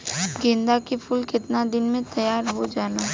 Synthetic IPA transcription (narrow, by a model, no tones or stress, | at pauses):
ɡɪ̃nd̪akepʰuːlkɪt̪nad̪ɪnmẽt̪ɐjaːɾɦod͡ʒaːnaː